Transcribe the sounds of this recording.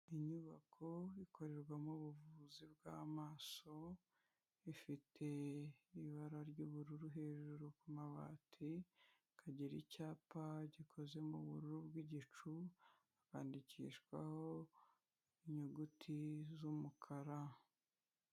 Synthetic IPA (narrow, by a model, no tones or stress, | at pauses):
iɲuβakʰoiko̞ɾe̞ɾɡwamuβuvuzibɡaːmaːso̞ | ifitʰe̞iβaɾaɾɟuːβuɾuɾuɦe̞ːʒuɾukumaβa̰ːtʰi | kʰaɟeɾicaːpaɟikʰo̞ze̞muβuɾuɾubɡwiːɟit͡ʃu | aka̰ːndicḭːʃkwa̰ho̞ | iɲuɡutʰizumukʰaɾa